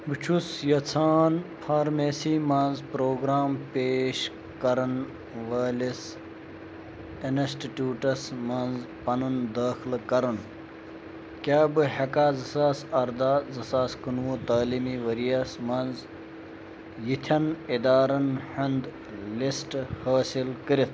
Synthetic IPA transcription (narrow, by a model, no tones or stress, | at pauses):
bɨt͡ʃʰusjɐt͡sʰaːnfʰaːɾmeːsiːmɐnzpɾoːɡɾaːmpeːʃ | kɐɾɐn | ʋaːlis | insʈiʈuːʈɐsmɐnzpɐnund̪aːxlkɐɾun | kʲaːbɨhɐkaːzɐsaːsɐɾd̪aːzɐsaːskunʋuːt̪aːlimiːʋɐɾijɐsmɐnz | jit̪ʰɐnid̪aːɾɐnhɐnd̪ | lisʈhaːsilkəɾit̪ʰ